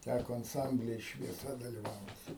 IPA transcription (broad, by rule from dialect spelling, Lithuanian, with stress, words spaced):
ˈtʲækoː ɐnˈsɐmʲbʲlʲiː ɪr ʃʲʋʲiɛˈsɐ dɐlʲɪˈʋɐʊtʲ